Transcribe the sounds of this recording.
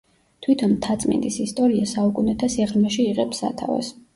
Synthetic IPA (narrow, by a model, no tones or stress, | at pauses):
t̪ʰwit̪ʰɔnt̪ʰat̪sʼmɛ̰nd̪isist̪ʼɔɾiasaukʼunɛt̪ʰasɛʁmɛʃiːʁɛpsa̰t̪ʰavɛ̰s